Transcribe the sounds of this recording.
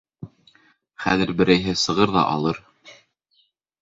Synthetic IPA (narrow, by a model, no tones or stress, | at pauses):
χæ̰ðɘɾbɘ̆ɾæjɦɘsɤ̆ʁɤɾðɑ̰ʔɑ̰lˠɤɾ